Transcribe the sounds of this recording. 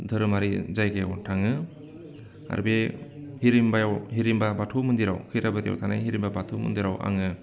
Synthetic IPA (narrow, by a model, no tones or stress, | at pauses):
dʱɯɾɯmaɾizajɡewtʰaŋɯ | a̰ɾbehiɾimbajawɦiɾimbabatʰomɯndiɾawkʰɯjɾabadja̰wtʰana̰jɦiɾimbabatʰomɯ̰nd̪iɾawʔa̰ŋɯ